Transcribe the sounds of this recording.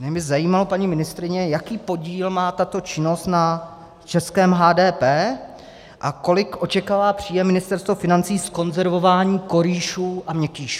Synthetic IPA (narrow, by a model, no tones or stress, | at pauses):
ɲɛmɪzajiːmalopaɲiːmɪnɪst̪ɾɪɲɛjakiːpo̞ɟiːlmaːt̪at̪o̞t͡ʃɪno̞st̪na | t͡ʃɛskɛːmɦaːdɛːpɛː | ʔako̞lɪkʔo̞t͡ʃɛkaːvaːpr̝̥iːjɛmɪnɪst̪ɛɾst̪vofɪnant͡siːsko̞nzɛɾvo̞vaːɲiːko̞ɾiːʃuːʔamɲɛkiːʃu̥